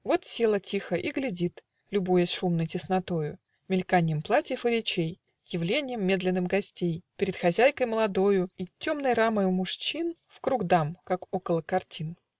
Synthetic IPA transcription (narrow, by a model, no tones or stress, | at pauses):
vo̞t̪sʲilˠətʲixəʔiɡlʲɪdʲit̪ | lʲʊbujəsʲʂumnəjtʲɪsnɐt̪ojʊ | mʲɪlʲkanʲɪjəmplˠatʲɪjəfɨɾʲɪt͡ɕej | jɪvlʲenʲɪjəmːʲe̞d̪lʲɪnːɨmɡɐsʲtʲejpʲɪɾʲɪt̪xɐzʲæjkəjməlˠɐd̪o̞jʊitʲːo̞mnəjɾaməjʊmʊʂt͡ɕinfkɾuɡd̪amkakokəlˠəkɐrtʲin